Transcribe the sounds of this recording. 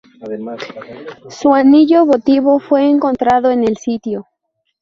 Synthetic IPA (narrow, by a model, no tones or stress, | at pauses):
suaniʝoβot̪iβo̞fwe̞ːŋko̞nt̪ɾaðo̞ene̞lsit̪jo